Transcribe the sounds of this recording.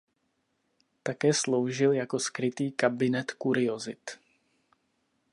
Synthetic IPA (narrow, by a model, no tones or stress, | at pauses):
t̪akɛːslowʒɪljakoskɾɪt̪iːkabɪnɛt̪kuɾɪozɪt̪